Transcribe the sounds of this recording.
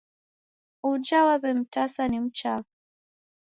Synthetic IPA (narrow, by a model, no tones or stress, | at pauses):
ud͡ʒawaβɛm̩tasanim̩t͡ʃak